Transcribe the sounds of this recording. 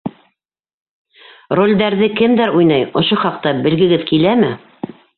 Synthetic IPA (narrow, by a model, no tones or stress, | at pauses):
rolʲd̪æɾðɘkɘmd̪æɾujnɑjŏʃoχɑq̚t̪ɑbɘ̆lɡɘ̆ɡɘðkilæmɘ